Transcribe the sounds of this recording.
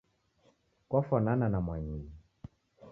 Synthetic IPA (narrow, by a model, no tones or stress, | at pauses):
kɔfɔnananamwaɲiɲi